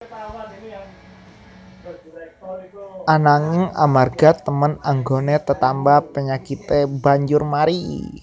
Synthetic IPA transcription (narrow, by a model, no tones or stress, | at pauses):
ʔanaŋɪŋa̰marɡ̥a̤t̪əmənaŋɡonet̪ət̪ambapəɲakit̪ebaɲd͡ʒʊrmaɾḭ